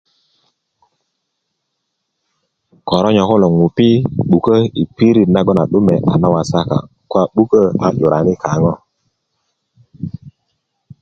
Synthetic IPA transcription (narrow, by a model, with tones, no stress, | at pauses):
kɔ˨ɾɔ˦ɲɔ˨ku˦lɔ˨ŋu˨pi˦ɓu˨kə˦i˨pi˦ɾi˨tna˦ɡɔ˦na˨ɗu˦mɛ˨ʔa̰˨na˦wa˨sa˦ka̰˨ | kwa˦ɓu˦kə˦a˨ʄu˨ɾʔa˨ni˦kʰa˨˦ŋɔ˦